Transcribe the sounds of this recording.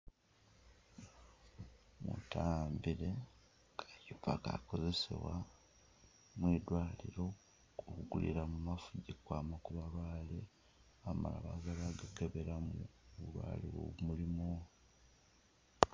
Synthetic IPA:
mṵtʰaːmbiɾe̞ | ajupaka̰ko̞ze̞sḛβwa | mwiːd̪waːliɾo̞ | okuɡulḭɾamumafuɟikwaːmakuβalwaːle | ama̰la̰βazaβaɡakeβeɾamuβulwa̰ːliwo̰βumulimo

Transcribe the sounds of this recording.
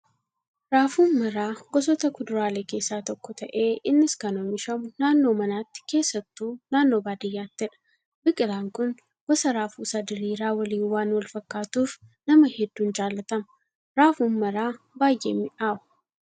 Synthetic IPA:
ɾaːfuːnːɐɾaːɡ̥ɔsɔt̪ɐkʊd̪ʊɾaːleːke̞ːsːaːt̪ɔkːɔt̪ɐʔe̞ːɪnːɪskɐnomɪʃɐmʊnaːnːo̞ːmɐnaːt̪ːɪ̥ke̞ːsːɐt̪ːuːnaːnːo̞ːbaːd̪ɪjːaːt̪ːɪɛᶑɐ̥ | bɪkʼɪlaːŋkʊn | ɡ̥ɔsɐɾaːfuːsad̪ɪɾiːɾaːwɐliːnwaːnwɐlfɐkːaːt̪uːfnɐmɐhɛd̪ːuːnd͡ʒaːlːɐt̪ɐmɐ̥ | ɾaːfuːnmɐɾaː | baːjʔḛːmːɪʔaːʔʊ̥

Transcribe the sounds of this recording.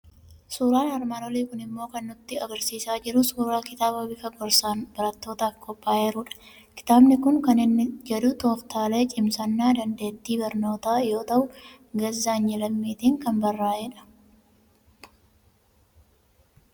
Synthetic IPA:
suːɾaːnɐɾmad̪ɔliːkʊnɪmːo̞ːkɐnːʊt̪ːɪɐɡɐɾsiːsaːd͡ʒɪɾʊsuːɾaːkɪt̪aːbɐbɪfɐɡɔɾsaːnbɐɾɐt̪ːo̞ːt̪aːfkʰɔpʼːaːeːɾuːᶑɐ̥ | kɪ̥t̪aːbnɪkʊŋkɐnɪnːɪd͡ʒɛd̪ʊt̪o̞ːft̪ʰaːle̞ːt͡ʃʼɪmsɐnːaːd̪ɐnd̪e̞ːt̪ːiːbɐɾno̞ːt̪aːjo̞ːt̪ɐʔʊ | ɡɐzːaːnjɛlɐmːiːt̪iːŋkɐnbɐrːaːd͡ʒɛᶑɐ̥

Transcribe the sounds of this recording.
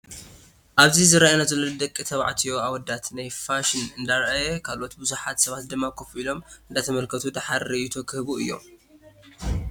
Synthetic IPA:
ʔaβzizɨɾajnazɐlːod̪ɐkʼːit̪ʰɐβa̰ʕt̪ʰijo̞awɐd̪at̪najfaʃɪnɨnd̪aɾʔajɛkʰalʔot̪bɨzuħat̪sɐβat̪̚d̪ɨmːakʰofilo̞mɨnd̪at̪ʰɐmɐlkʰɐt̪ʰud̪aħaɾɨʔit̪ʰokʰɨhbuɨ̰jːo̞̰m

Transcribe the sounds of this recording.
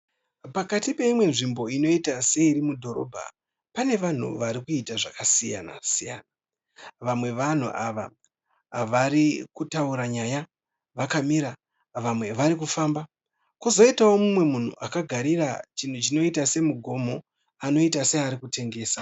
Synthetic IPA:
pakatipe̞imwe̞nʐimbo̞ino̞itase̞iɾimudʱo̞ɾo̞̰bʱa̰ | pane̞ʋan̤ṵʋaɾikuitaʐakasija̰na̰sijaːna | ʋamwe̞ʋan̤ṵʔaʋa | ʋaɾikutauɾaɲaja | ʋakamiɾa | ʋamwe̞ʋaɾik̬ufaːmba | kuzo̞itawo̞mumwe̞mun̤ṵʔakaɡʱaɾirat͡ʃin̤ut͡ʃino̞itase̞muɡʱo̞mo̞ | ano̞itase̞aɾikute̞ŋɡe̞ːsa

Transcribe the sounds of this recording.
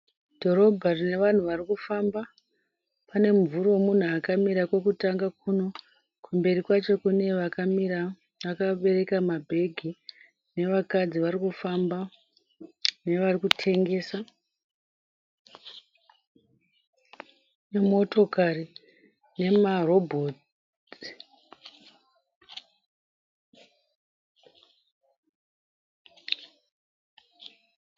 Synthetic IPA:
d̥ʱo̞ɾo̞bʱarine̞ʋan̤uʋarikufamba | pane̞ɱvuɾoomun̤uakamiɾakwe̞kutaŋɡak̚uno̞ | kumbe̞ɾikwat͡ʃo̞kune̞ʋakamira | akaɓe̞re̞kamabʱe̞ɡʱi | ne̞ʋakad͡ziʋaɾikufamba | ne̞ʋarikutʰe̞ŋɡe̞ːsa | nemo̞to̞kari | ne̞maro̞bʱoːt

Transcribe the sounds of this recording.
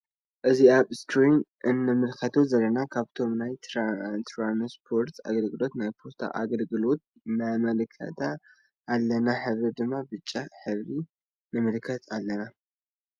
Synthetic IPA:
ʔɨziaβstʰɾinʔɨnːɨmɨlkʰɐt̪ʰozɐlːɐnakʰaβt̪ʰo̞mnajt̪ɾt̪ʰɾanspʰo̞ɾt̪a̰ɡɐlɡɨlo̞t̪najpʰost̪ʰa̰ʔa̰ɡɐlɡɨlo̞t̪̚ | mamɐlɨkʰɐ̰t̪ʰaː | lːɐnaħɨβɾid̪ɨmːabɨt͡ʃʼːaħɨβɾi | nɨmɨlkʰɐt̪ʰalːɐna

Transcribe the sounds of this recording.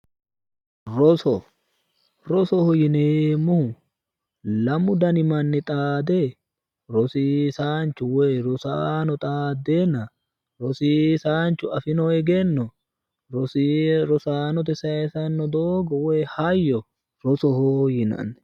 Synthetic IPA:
ɾɔsɔ | ɾɔsɔhɔjɪneːmːʊ | lɐmʊd̪ɐnɪmɐnːɪt̪ʼaːd̪e | ɾɔsiːsaːnt͡ʃːʊweːɾɔsaːnɔt̪ʼaːd̪ːeːnɐ | ɾɔsiːsaːnt͡ʃːʊɐfɪnɔɛɡɛnːɔ | ɾɔsɾɔsaːnɔt̪̬ɛsɐɛsɐnːɔd̪oːɡɔweːhɐjːɔ | ɾɔsɔhɔjɪnɐ̰n

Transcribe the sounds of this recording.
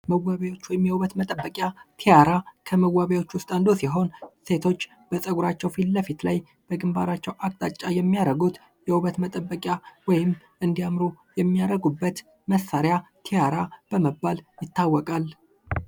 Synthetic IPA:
məwːaβawo̞t͡ʃːwɔjɪmjɛwuβət̪mət̪ʼəbːəkʼjat̪ʰejaɾakʰəməwːaβawo̞t͡ʃːwʊst̪ʼand̪osiɦo̞nse̞t̪ʰo̞t͡ʃː | b̥əsʼəɡuɾat͡ʃːɛwfilləfit̪laj | b̥əɡɨmba̰ɾat͡ʃːɛwʔakʼt̪ʼat͡ʃʼːajɛmːijaɾəɡut̪ | jɛwuβət̪mət̪ʼəbːəkʼjawɔjɪm | ʔɨnd̪ijamɾujɛmːijaɾəɡubːət̪ | məsːaɾjat̪ʰejaɾab̥əməbːaljɪt̪ːawːɔkʼal

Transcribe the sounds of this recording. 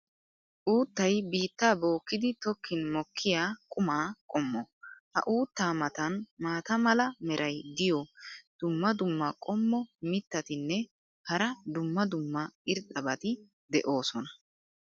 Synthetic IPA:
ʔuːt̪ːɐjbiːt̪ːaːbo̞ːkːɪd̪ɪt̪ɔkʰːɪnmɔkʰːɪjaːkʼʊmaːkʼɔmːɔhɐ̰ʔuːt̪ːaːmɐt̪ɐnmaːt̪ɐmɐlɐmɛɾʔɐjd̪ɪjɔd̪̥ʊmːɐd̪ʊmːɐkʼɔmːɔmɪt̪ːɐt̪ɪnːɛ | hɐɾɐd̪ʊmːɐd̪ʊmːɐɪɾt̪ʼːɐbɐt̪ɪ | d̪ɛʔo̞ːsɔnɐ

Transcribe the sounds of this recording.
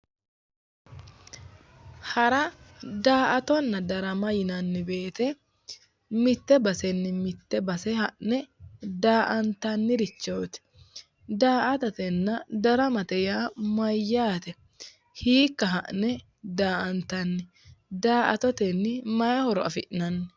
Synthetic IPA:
hɐɾɐd̪aːʔɐt̪ɔnːɐd̪ɐɾɐmɐjɪnɐnːɪbe̞ːt̪ɛ | mɪt̪ːɛbɐsɛnːɪmɪt̪ːɛbɐsɛhɐʔnɛd̪aːʔɐnt̪ɐnːɪɾɪt͡ʃːɔwt̪ɛ̥ | d̪aːʔɐt̪ɐt̪ɛnːɐd̪ɐɾɐmɐt̪ɛjaːmɐjːaːt̪ɛ | hiːkːɐɦɐʔnɛ | d̪aːʔɐnt̪ɐnːɪ | d̪aːʔɐ̰t̪ɔt̪ɛnːɪmɐjɐhɔɾɔɐfɪʔnɐnːɪ

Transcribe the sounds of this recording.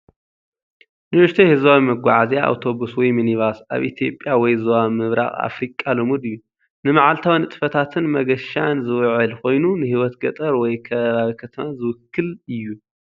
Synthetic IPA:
nɨɨʃt̪ʰɐhɨzaimɐɡʷːaʕazjaa̰wt̪ʰo̞βuswɔjminiβasʔa̰βʔit̪ʰijo̞pʼjawɔjzowamɨβɾa̰ɣʼa̰fɾikʼːalomud̪ɨjːu | nɨmaʕalt̪ʰawnɨt̪ʼɨfɐt̪ʰat̪ʰɨnmɐɡɐʃanzɨwʕɨlko̞jnunɨhiwɔt̪ɡɐt̪ʼɐɾwɔjkʰɐβaβikʰɐt̪ʰɐmazɨwʊkʰːɨlɨjːu

